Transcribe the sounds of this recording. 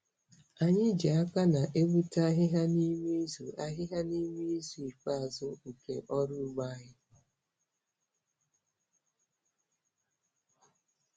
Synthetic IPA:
a˨ɲɪ˦d͡ʒi˨a˦ka˦na˨ʔe˦ɡ͡bu˦ta˦ɦɪ˦ɦa˦ni˦mi˦zu˨a˦ɦɪ˦ɦa˦ni˦mi˦zu˨i˨k͡pa˦a˨zʊ˦u˨kḛ˨ʔɔ˦ɾʊ˦ɡ͡ba˦ɦɪ˦

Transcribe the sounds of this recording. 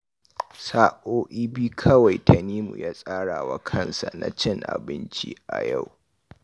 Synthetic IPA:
saː˦ʔoː˦ʔiː˦biː˦kʰɐ˦wa˨jtʰa˨niː˦mṵ˨jaː˦sʼaː˦ɽaː˨wa˦kʰɐ˦nsa˨na̰˨t͡ʃɪ˦˨ŋʔa̰˨bɪ˦nt͡ʃḭː˦ʔa̰˨ja˦˨w

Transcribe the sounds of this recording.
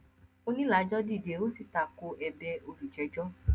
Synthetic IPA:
o˦nĩ˦la˨˦d͡ʒɔ˦di˦˨de˨˦o˦si˦˨ta˧˨ko˧ʔɛ˧bɛ˧o˧lu˨t͡ʃɛ˨˦d͡ʒɔ˦

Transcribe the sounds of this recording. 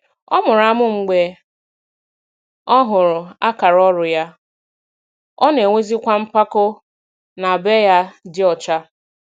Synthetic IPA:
ɔ̰˦mʊ˨ɾa˨mʊ˦ŋ͡m̩˨ɡ͡be˨ | ɔ˦ɦʊ˨ɾʊ˨a˦ka˨ɾɔ˦ɾʊ˨ja˦ | ɔ˦ne˨ŋʷe˦zi˦kʷa˦m̩˦pa˦kʊ˦ | na˨be˦ja˦dɪ˦ɔ˨t͡ʃa˦

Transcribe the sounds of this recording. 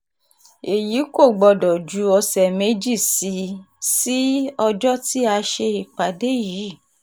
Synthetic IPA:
e˨ji˨˦ko˦˨ɡ͡bɔ˧dɔ˨d͡ʒu˨˦ɔ˧sɛ˨me˨˦d͡ʒi˦˨si˨˦ | si˦ɔ˧d͡ʒɔ˦ti˦a˧ʃe˧i˨k͡pa˨de˦ji˨˦˨

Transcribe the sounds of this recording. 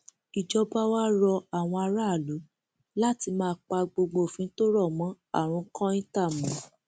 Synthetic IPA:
i˨d͡ʒɔ˧ba˦wa˦ɾɔ˧a˨w̃ɔ̃˧a˧ɾa˦˨lu˨˦ | la˦ti˧mãː˦˧k͡pa˧ɡ͡bo˧ɡ͡bo˧˨fĩ˨˧n̩˦to˦ɾɔ˦˨mɔ̃˨˦ | a̰˦˨ɾ̃ũ˨˧˦kã˦i˦ta˦˨mɔ̃˨˦

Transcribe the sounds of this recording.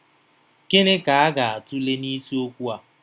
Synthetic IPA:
ke˦ne˦ka˨a˦ɡa˨a˨tʊ˦le˦ni˦si˦o˦kʷu˦a˨

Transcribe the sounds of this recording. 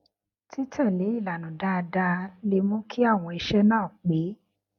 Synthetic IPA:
ti˦tʰã˦˨le˨˦i˦˨la˨nũ˨da˦˧da˧le˧˦mũ˦kʰi˦a˦˨w̃ɔ̃˧e˧ʃɛ˦nãː˦˨k͡pe˨˦

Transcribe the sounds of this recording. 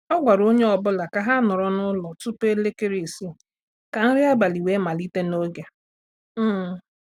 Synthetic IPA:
ɔ˦ɡʷa˨ɾo˦ɲe˦ɔ˨bʊ˦la˨ka˨ɦa˦nʊ˨ɾɔ˦nʊ˦lɔ˨tu˦pe˦le˦ke˦ɾi˨si˦ | ka˨n̩˦ɾɪ˦a˦ba˨li˨we˦ma˨li˦te˦no˦ɡe˨˦˨

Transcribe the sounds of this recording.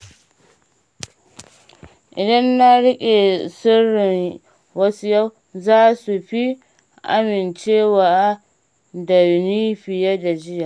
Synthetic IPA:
ʔɪ˨dɐ˦nːa˦ɽʊ˦kʲʼe˨sʊ˦ɽɪ˨ŋ | wɐ˦su˦ja˦w | zaː˦su˨ɸi˦ | ʔa̰˦mɪ˨nt͡ʃeː˦waː˨ʔ | dɐ˨niː˦ɸɪ˨ja˦da˨d͡ʒɪ˦jaː˨

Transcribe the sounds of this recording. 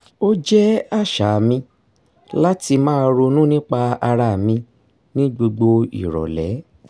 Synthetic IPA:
o˦d͡ʒɛ˦a˦˨ʃa˨mĩ˧ | la˦ti˧mãː˦˧ɾo˧nũ˦nĩ˦k͡pa˧a˧ɾa˧˨mĩ˧ | nĩ˦ɡ͡bo˧ɡ͡bo˧ḭ˨ɾɔ̰˨lɛ˨˦

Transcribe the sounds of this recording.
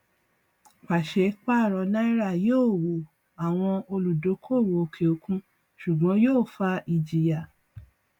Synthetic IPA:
k͡pa˨ʃe˨˦k͡pa˦˨ɾɔ˧nã˦i˦ɾa˦˨joː˦˨wo˨ | a˨w̃ɔ̃˧o˧lu˨do˨˦kʰo˦˨wo˨o˧kʰe˨o˧˦kũ˦ | ʃu˨ɡ͡bɔ̃˨˦joː˦˨fa˧ʔi˧˨d͡ʒi˨ja˨

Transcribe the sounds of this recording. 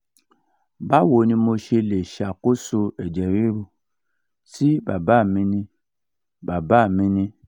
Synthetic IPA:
ba˦˨wo˨˦nĩ˧mo˧ʃe˧le˨ʃa˨ko˦so˧ɛ˨d͡ʒɛ˨ɾe˦ɾu˧ | si˦ba̰˨ba˦˨mĩ˧nĩ˧ | ba˨ba˦˨mĩ˧nĩ˧

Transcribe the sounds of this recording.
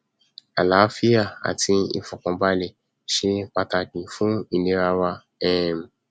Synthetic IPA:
a˨la˨˦fi˦a˦˨a̰˨ti˧ḭ˧fũ˨kɔ̃˨˧ba˧le˨ | ʃe˧k͡pa˧ta˧kĩ˨fũ˦i˧nẽ˧˦ɾa˧wa˧ | ɛ˦˨m˨

